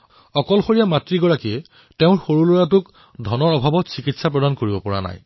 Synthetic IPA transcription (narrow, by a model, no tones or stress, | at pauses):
ɔkɔlxoɹijamatɹiɡɔɹakiɛ | teʊ̃ɹxoɹuluɹatʊk | dʱɔnɔɹɔbʱabɔtsikitsapɹɔdankoɹibɔpɔɹa̰na̰j